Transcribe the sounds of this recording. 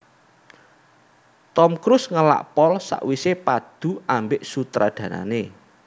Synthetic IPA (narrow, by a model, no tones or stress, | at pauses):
t̪ɔmkɾʊsŋəla̰ʔpɔlsa̰ʔwisepad̪̥ṳambɪʔsut̪ɾad̪̥ä̤na̰ne